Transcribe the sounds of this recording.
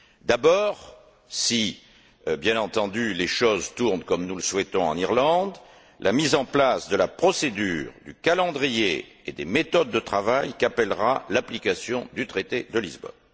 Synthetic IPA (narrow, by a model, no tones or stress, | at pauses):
d̪abɔʁ | si | bjɛ̃nɑ̃t̪ɑ̃d̪yleʃozt̪uʁnkɔmnuləswɛt̪ɔ̃ɑ̰̃niʁlɑ̃d̪ | lʔamizɑ̃plasd̪əlapχɔsed̪yːʁd̪ykalɑ̃d̪ʁije | ed̪emet̪ɔd̪ːət̪χavajkapɛlʁalaplikasjɔ̃d̪yt̪χet̪ed̪əlizbɔ̰n